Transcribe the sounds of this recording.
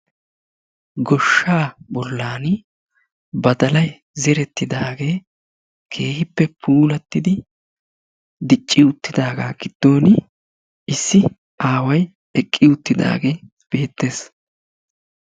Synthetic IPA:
ɡɔʃːaːbɔlːaːn | bɐd̪ɐlɐj | zɛɾɛt̪ːɪd̪aːɡe̞ː | kʰe̞ːhɪpːɛpʰuːlɐt̪ːɪd̪ɪ | d̪ɪt͡ʃʼːɪʊt̪ːɪd̪aːɡaːɡ̥ɪd̪̥ːo̞ːnɪ | ɪsːɪ | ʔaːwɐj | ɛkʼːɪʊt̪ːɪd̪a̰ːɡe̞ː | b̥e̞ːt̪ːe̞ːs

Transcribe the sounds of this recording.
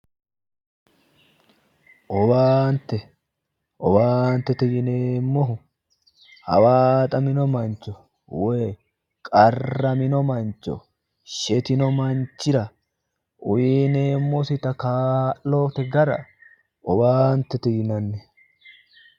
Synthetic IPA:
ʔɔbaːnt̪ɛ | ʔɔbaːnt̪ːɛt̪ɪjɪneːmːɔɦʊ | hɐ̰wat̪ʼɐmɪnɔmɐnt͡ʃːɔ | weː | kʼɐrːɐmɪnɔmɐnt͡ʃːɔ̰ | ʃɛt̪ɪnɔmɐnt͡ʃːɪɾɐ | ʔʊjineːmːɔsɪt̪ɐkaːʔːoːt̪ɛɡɐɾɐ̰ | ʔɔbaːnt̪ːɛt̪ɪjɪnɐnːɛ

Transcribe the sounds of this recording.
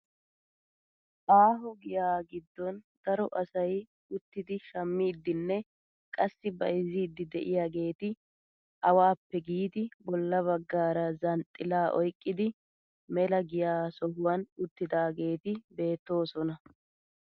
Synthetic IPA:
ʔaːɦɔɡɪjaːɡɪd̪ːɔnd̪̥ɐɾɔʔɐsɐj | ʊt̪ːɪd̪ɪʃɐmːiːd̪ːɪnːɛ | kʼɐsːɪbɐjɪziːd̪ːɪd̪ɛʔɪjaːɡe̞ːt̪ɪ | ɐwaːpːɛɡiːd̪ɪbɔlːɐβɐɡːaːɾɐzɐnt̪ʼːɪlaːʔɔjkʼːɪd̪ɪ | mɛlɐɡɪjaːsɔhʊwɐnʊt̪ːɪd̪aːɡe̞ːt̪ɪbe̞ːt̪ːo̞ːsɔnɐ

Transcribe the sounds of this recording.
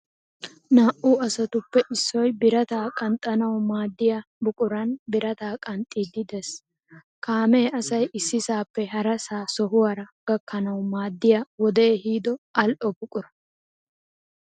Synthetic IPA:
naːʔuɐsɐt̪ʊpːɛʔɪsːɔjbɪɾɐt̪aːkʼɐnt̪ʼɐnɐwmaːd̪ːɪjɐ | bʊkʼʊɾɐnbɪɾɐt̪aːkʼɐnt̪ʼːid̪ɪd̪ɛs | kaːmeːɐsɐjʔɪsːɪsaːpːɛɦɐɾɐsaːsɔɦʊwaɾɐɡ̥ɐkːɐnɐwmaːd̪ːɪjawɔd̪eːhiːd̪ɔʔɐlʔɔbʊkʼʊɾɐ

